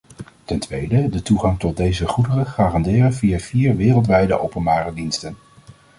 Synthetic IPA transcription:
tɛntʋejdədətuχɑŋtɔt̚dejzəχudərəχaːrɑndɪːrənvijaːv̥iːɹʋɪːrəlˠt̬ʋɛjdə̰ʔowpənbaːrədinstən

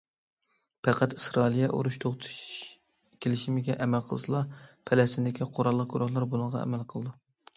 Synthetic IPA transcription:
pʰæqʰæt̪ɨ̥sɾɑlˠijɛʔṵɾuʃt̪ʰoχt̪ʰʃ | kʲʰelɪʃimɪɡʲɛʔɛmælqʰəlˠɨsɨlˠɑpʰɛlɛst̪ɪnd̪ɪkʲʰiqʰoɾɑlˠːəq̚kʰuɾɑllˠːɨɾbulˠɨŋʁɑ̰ɛ̰mɛlˠqʰəlˠɨd̪u

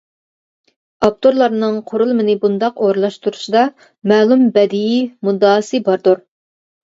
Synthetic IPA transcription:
ɑp̚t̪ʰoɾlˠɑɾnɨŋqʰoɾulˠɨmɪnɪbund̪ɑqoɾɨlˠɑʃt̪uɾuʃɨd̪ɑ | mæːlˠumbɛd̪ijimud̪ɑːsɨbɑɾd̪uɾ

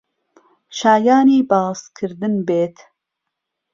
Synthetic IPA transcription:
ʃaːjɑːniːbɑːskʰɨɾd̪ɨnbeːt̪ʰ

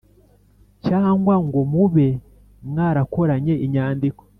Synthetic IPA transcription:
caːŋɡwaŋɡo̞muβe̞ | mŋaːɾako̞ɾaɲe̞ʔiɲaːndiko̥

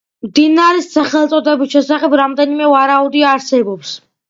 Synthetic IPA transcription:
md̪inaɾɛsːaχɛlˠt̪sʼɔd̪ɛbisʃɛsaχɛbɾamd̪ɛnimɛvaɾaud̪iaɾsɛbɔps

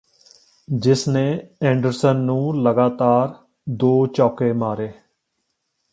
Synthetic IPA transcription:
d͡ʒɪsneːɛ̃ːɳɖəɾsənːũːləɡaːt̪aːɾ | d̪oːt͡ʃɔːkeːmaːɾeː

